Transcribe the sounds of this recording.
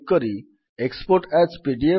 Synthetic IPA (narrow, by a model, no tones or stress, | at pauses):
kɔɾi | ekspoɾʈɛspiɖie